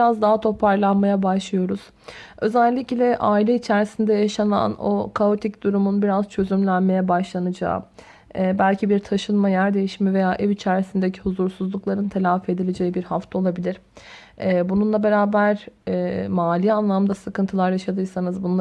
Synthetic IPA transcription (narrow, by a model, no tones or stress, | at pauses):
ɾazd̪aɦat̪ʰo̞pʰaɾlˠanmajabaʃlˠɯjo̞ɾuz̥ | ø̞zælʲːiclʲɛʔaːilʲɛit͡ʃʰæɾsind̪ɛjaʃana̰no̞̰kʰaot̪ʰicd̪̥uɾumunbiɾazt͡ʃʰø̞zymlʲænme̞jɛbaʃlˠanɯd͡ʒa̰ː | ɛːbælʲcʰibiɾt̪ʰaʃɯnmajæɾd̪e̞jiʃmɛve̞jaːʔɛvit͡ʃʰæɾsind̪ecʰihuzuɾsuzlˠuklˠaɾɯnt̪ʰelʲaːfe̞d̪ilʲe̞d͡ʒe̞jibiɾhaft̪ʰao̞lˠabilʲiɾ̥ | ɛːbununlˠabe̞ɾaːbæɾ | maːlʲijanlˠamd̪asɯkɯnt̪ʰɯlˠaɾjaʃad̪ɯɾsanɯzbunˠa